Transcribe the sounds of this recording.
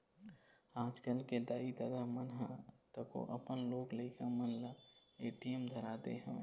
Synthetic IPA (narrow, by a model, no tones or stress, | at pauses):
aːd͡ʒkəlked̪aːid̪ɐd̪amənɦɛ̃t̪əko̰ʔɐpənloːɡleɪkəmənlaeːʈijəmd̪ʱɐɾaːd̪ḛɦɛ̃ː